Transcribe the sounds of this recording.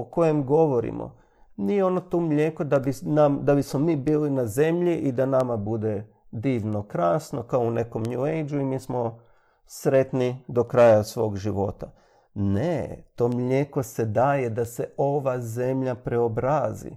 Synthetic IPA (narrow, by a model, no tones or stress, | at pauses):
oko̞je̞mɡo̞ʋo̞ɾḭmo̰ | nijeo̞no̞t̪omʎe̞kod̪abinamd̪abismo̞miːbiːlinaze̞mʎiʔid̪anamabud̪e̞ | d̪iːʋno̞kɾaːsno̞kaoune̞ko̞mɲuejd͡ʒuimiːsmo̞ | sɾe̞t̪nid̪o̞kɾaːjasʋo̞ːɡʒiʋo̞t̪a | nḛt̪omʎeko̞se̞d̪aːje̞d̪ase̞o̞ʋaze̞mʎapɾe̞obɾaːzḭ